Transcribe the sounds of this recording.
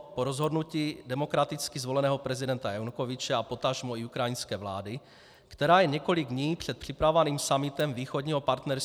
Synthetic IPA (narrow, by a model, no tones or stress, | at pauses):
poɾozɦo̞dnuciːdɛmo̞kɾat̪ɪt͡skɪzvo̞lɛnɛːɦopɾɛzɪdɛnt̪ajanukovɪt͡ʃɛapo̞t̪aʒmoiukɾajinskɛːvla̰ːdɪ | kt̪ɛɾaːjɛɲɛkolɪɡdɲiːpr̝̥ɛt̪pr̝̥ɪpɾavovaniːmsamɪt̪ɛmviːxodɲiɦo̞paɾt̪nɛɾs